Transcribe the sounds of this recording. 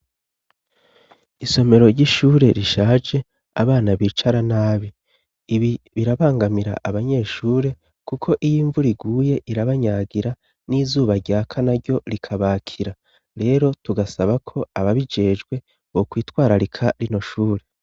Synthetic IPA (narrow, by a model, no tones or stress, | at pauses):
iso̞me̞ɾo̞ɾɟiʃuːɾe̞ɾiʃaːd͡ʒe̞ | a̰βaːnaβiːt͡ʃaɾanaːβiː | βi | βiɾaβaːŋɡamiɾa̰ʔaβaɲe̞ːʃuːɾe̞ | kukʰo̞ʔijiːɱvuɾiɡuːje̞ʔiɾaβaɲaɡiɾa | niːzuːβaɾɟaːkʰanaɾɟjo̞ɾikʰaβaːkʰiɾa | ɾe̞ːɾo̞tuɡasaβakʰo̞aβaβid͡ʒe̞ːd͡ʒɡwe̞ | βokwiːtwaːɾaɾikʰaɾino̞ʃuːɾe̞